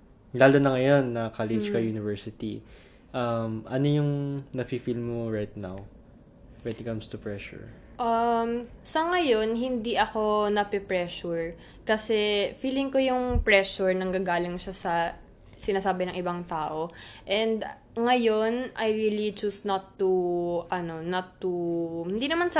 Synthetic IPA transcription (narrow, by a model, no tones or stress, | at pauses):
laːlonɐŋɐjo̞nːɐkalɪd͡ʒkɐjuːnɪvɛɹsɪt̪i | ʔɐmʔɐnojʊŋnɐfifilmoɹajt̪̚na̰w | wɛnikɐmst̪ʊpɹɛʃʊ̰ɹ | ʔɐmsɐŋɐjo̞nɦɪnd̪iʔɐko̞nɐpɛpɹɛʃuɹ | kɐsɛfiːlɪŋko̞jʊŋpɹɛʃʊɹnɐŋɡaɡaːlɪŋʃasɐ | sɪnaːsaːbɪnɐŋʔɪbɐŋt̪aːʔo̞ʔɛnd̪ | ŋɐjo̞nʔɐjɹiːlit͡ʃusnɐt̪ːuʔɐno̞nɐt̪ːuhɪnd̪iːnɐmansɐ